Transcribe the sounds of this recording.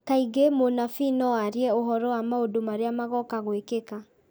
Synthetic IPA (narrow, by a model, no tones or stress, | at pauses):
kaiɣemonafinɔwaɾiɛoɦɔɾɔwamaodomaɾeamaɣɔkaɣwekeka